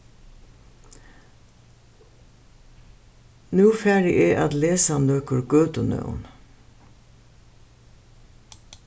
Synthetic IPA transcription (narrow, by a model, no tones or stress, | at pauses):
nʉːfæːɖɪʔeːʔɑt̪leːsɑnøːkəɾɡøːt̪ənœ̰ʊn